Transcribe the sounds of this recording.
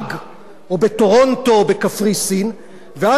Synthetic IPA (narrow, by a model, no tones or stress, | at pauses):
ɡ | obet̪oʁont̪o̞bekafʁisin | vea